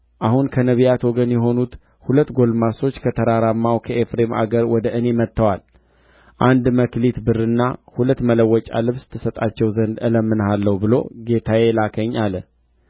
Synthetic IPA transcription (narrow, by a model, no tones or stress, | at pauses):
ʔahunkʰənəβijat̪wɔɡənjɛɦo̞nut̪ | hulət̪ːɡo̞lmaso̞t͡ʃːkʰət̪ʰəɾaɾamːawkʰəʔefɾe̞ma̰ɡəɾwɔd̪əʔɨne̞mət̪ːəwal | ʔand̪məklit̪bɨrːɨnːahulət̪ːmələwːɔt͡ʃʼa̰lɨβst̪ʰɨsət̪ʼat͡ʃːɛwzənd̪ɨləmːɨnəhalːəhubɨlo̞̰ɡe̞t̪ʰajelakʰəɲːalə